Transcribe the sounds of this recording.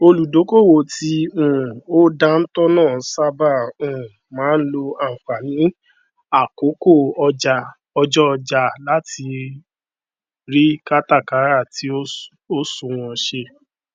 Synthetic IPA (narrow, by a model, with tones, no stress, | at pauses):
o˧lu˨do˨˦ko˦˨wo˨ti˧ũ˨o˦da˧n̩˦tɔ˦nãː˦˨˦sa˦ba˦˨ũ˨mãː˨˦n̩˦lo˧a˨k͡pa˨nĩ˨˦ | a˦˨ko˨˦ko˦˨ɔ˧d͡ʒa˧ | ɔ˧d͡ʒɔ˦ɔ˧d͡ʒa˧la˨˦tʰi˧ | ɾi˦ka˦ta˦˨ka˨˦ɾa˦˨tʰi˨˦ | o˦sũ˨w̃ɔ̃˧ʃe˧